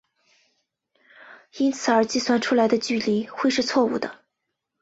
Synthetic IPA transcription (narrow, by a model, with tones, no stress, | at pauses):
i˥nt͡sʰɹ̩˨˩ə˞˧˥t͡ɕi˥˩swa˥˩nʈ͡ʂʰu˥la˨˧˥ɪd̪ə˧t͡ɕy˥˩li˧˥xwe˥˧ɪʂɻ̩˥˧t͡sʰwɔ˥˧u˥˩d̪ə̰˩